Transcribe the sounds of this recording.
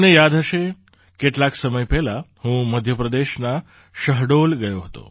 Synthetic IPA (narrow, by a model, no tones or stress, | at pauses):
nejad̪ʱəʃe | keʈlaksəməjpɛɦlahũːməd̪ʱjəpɾəd̪eʃna | ʃəɦɽolɡəjoɦət̪o̰